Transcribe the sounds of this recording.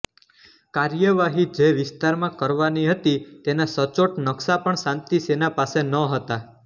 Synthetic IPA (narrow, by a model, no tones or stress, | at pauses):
kaɾjəʋaɦid͡ʒeʋɪst̪aɾmãkəɾʋaniɦət̪it̪enasət͡ʃoʈnəksapəɳsãnt̪isenapasenəɦət̪a